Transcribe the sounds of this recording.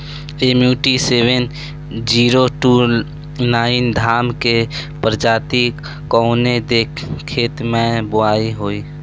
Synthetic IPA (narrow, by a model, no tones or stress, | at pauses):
eːmjuːʈiseːwen | d͡ʒiːɾoʈu | naːɪnd̪ʱaːmkepɾəd͡ʒaːt̪ik | kɔːned̪ekʰːeːt̪mẽbʊaːiɦoːiː